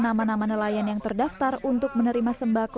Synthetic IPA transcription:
namanamanəlajanjaŋt̪ərdaft̪arunt̪ʊk̚mənəɾimasəmbak

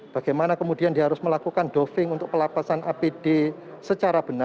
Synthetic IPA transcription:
b̥a̤ɡ̥ajmanakəmud̥iandiɦaɾʊsməlakukanɖofɪŋunt̪ʊk̚pəlapasanʔapid̥e | sət͡ʃaɾab̥əna

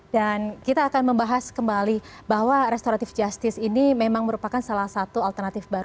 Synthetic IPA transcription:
dankit̪aːkanməmbaɦaskəmbali | baɦwaɾɛst̪oɾat̪ɪfd͡ʒast̪ɪsinimemaŋməɾupakansalahsat̪ualt̪ərnat̪ɪfbaɾu

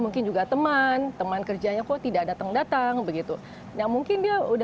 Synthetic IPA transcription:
muŋkɪnd͡ʒuɡat̪əmant̪əmankərd͡ʒaɲakot̪idadat̪aŋdat̪aŋbəɡit̪u | namuŋkɪndiauda

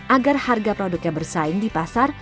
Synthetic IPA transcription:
ʔaɡarharɡapɾodʊk̚jabərsaɪŋdipasar

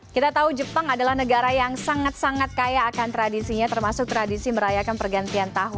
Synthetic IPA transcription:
kit̪at̪aud͡ʒəpaŋadalahnəɡaɾajaŋsaŋat̪̚saŋat̪̚kajaːkant̪ɾadisiɲat̪ərmasʊk̚t̪ɾadisiməɾajakanpərɡant̪iant̪aɦʊn

